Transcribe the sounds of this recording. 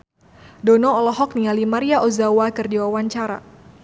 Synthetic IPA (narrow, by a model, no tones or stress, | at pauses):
dɔnɔːlɔɦɔk̚nialimaɾiaʔozawakərdiwawaɲt͡ʃaɾa̰